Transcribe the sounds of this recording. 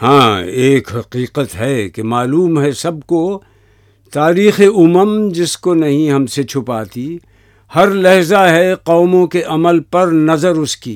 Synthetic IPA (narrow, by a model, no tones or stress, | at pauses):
hãːeːkɦɐqiːqət̪ɦɛkemaːluːmɦɛsɐb̚ko | t̪aːɾiːxeʊməmd͡ʒɪskonɐɦĩɦɐmset͡ʃʰʊpaːt̪i | hɐɾlɐɦzaɦɛqɔːmõkeʔɐməlpɐɾnɐzəɾʊskḭː